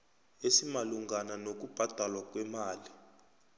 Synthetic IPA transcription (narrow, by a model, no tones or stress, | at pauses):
esimaluŋɡananok̬ub̥ʱad̥ʱalwak̬wɛmaːli